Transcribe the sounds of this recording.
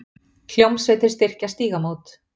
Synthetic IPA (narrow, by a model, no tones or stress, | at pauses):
l̥jowmsvejt̪ɪɾ̥st̪ɪr̥cast̪iːɣamoːwt̪